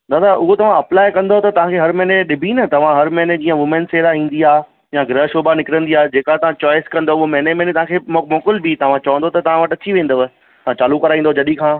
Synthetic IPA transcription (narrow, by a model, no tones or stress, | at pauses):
d̪aːd̪aʔʊɦot̪ɐʋ̤ãɐplaːɪkɐ̃nd̪ot̪ɐt̪ɐʋ̤ãkʰeːɦɐɾmɛɦneɗɪbʱinɐt̪ɐʋ̤ãɦɐɾmɛɦned͡ʑĩːə̃ʋʊmə̃nseːɾaĩːnd̪iaː | jãɡɾəɦʃoːbanɪkɪɾə̃nd̪iaːed͡ʑeːkat̪ɐʋãt͡ɕɔːɪskɐ̃nd̪oʊɦomɛɦnemẽːnet̪ɐʋ̤ãkʰemmɔːkɪlbɪt̪ɐʋ̤ãt͡ɕɐʋə̃nd̪ot̪ɐt̪ɐʋ̤ãʋɐʈɐt͡ɕʰiʋẽːnd̪oʋ | ɐãt͡ɕaːlukɐɾaːĩnd̪od͡ʑɐɗikʰãː